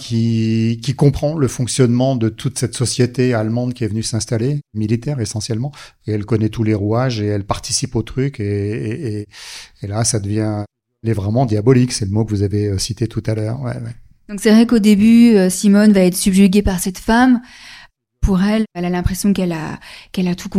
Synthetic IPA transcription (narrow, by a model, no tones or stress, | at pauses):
kʲʰikʲikɔ̃pχɑ̃ləfɔ̃ksjɔnmɑ̃d̪ət̪ʰut̪sɛt̪sɔsjet̪ealmɑ̃d̪kʲiɛvənysɛ̃st̪alemilit̪ɛʁesɑ̃sjɛlmɑ̃eɛlkɔnɛt̪uleʁuaʒeɛlpaʁt̪isipot̪χykeː | lasad̪əvjɛ̃ | lɛvʁɛmɑ̃d̪jabɔliksɛləmokəvuzaveøsit̪et̪ut̪alœːʁwɛ̰wɛ | d̪ɔ̃ksɛvʁɛkod̪ebyøsimɔnvaɛt̪χsybʒyɡʲepaʁsɛt̪fam | pʰuʁɛlɛlalɛ̃pχesjɔ̃kɛla̰kɛlat̪ʰukɔ̃